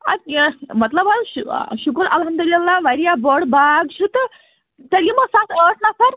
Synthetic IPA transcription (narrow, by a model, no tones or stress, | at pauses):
a̰mət̪ləbaɕukəɾɐlɦɐmd̪ulilːaʋaɾijabɔɽbaɡɕut̪ | t̪əɾiməsat̪ʰəʈʰnasaɾ